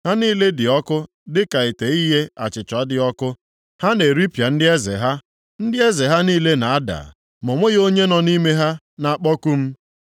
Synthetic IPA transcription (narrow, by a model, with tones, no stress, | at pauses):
ha˦niː˦le˦dɪ˨ɔ˦kʊ˦ | dɪ˦ka˨ɪ˨te˨i˦ɦe˦a̰˨t͡ʃɪ˨t͡ʃɔ˨a˦dɪ˦ɔ˦kʊ˦ | ha˦ne˨ɾi˦pja˨n̩˦dɪ˦e˦zɪ̰˨ɦa˦ | n̩˦dɪ˦e˦ze˨ɦa˦niː˦le˦na˨a˦da̰˨ | mʊ˨ŋʷe˦ɣo˦ɲe˦nɔ˨ni˦me˦ɦa˦ | na˨a˨k͡pɔ˦ku˦m̩˦